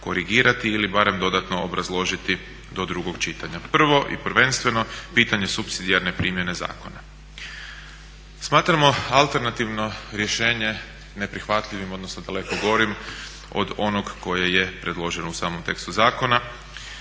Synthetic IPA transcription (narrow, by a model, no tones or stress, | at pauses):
ko̞ɾiɡiːɾʔat̪iːlibaɾe̞md̪o̞d̪at̪no̞obɾazlˠo̞ʒit̪i | d̪o̞d̪ɾuɡo̞ɡt͡ʃit̪aɲapr̩ʋo̞ʔḭpr̩ʋe̞nst̪ʋe̞no̞piːt̪aɲe̞supsid̪iaɾne̞pɾiːmje̞ne̞za̰ːko̞na | smaːt̪ɾamo̞alˠt̪eɾnat̪iʋno̞ɾje̞ʃe̞ːɲe̞ | ne̞pɾixʋat̪ʎiʋimo̞d̪nosoad̪ale̞koɡo̞ɾim | o̰d̪o̞noɡko̞jeje̞pɾe̞d̪lˠo̞ʒenousaːmomt̪e̞kst̪uzaːko̞na